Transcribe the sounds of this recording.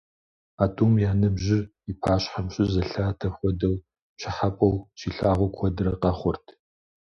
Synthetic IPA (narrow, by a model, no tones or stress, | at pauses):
aːtʼuːmjaːnɨbʑɪr | ipʰaːɕħamɕʼɪzɐɬaːtʰɐxʷɔdɐw | ɕʰɪħapʼɐwʃʰiːɬaːʁʷɔkʷʰɔdɨɾɐqɐχʷʊrtʰ